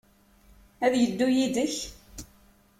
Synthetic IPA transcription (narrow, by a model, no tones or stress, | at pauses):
æðjəd̪ːujid̪əç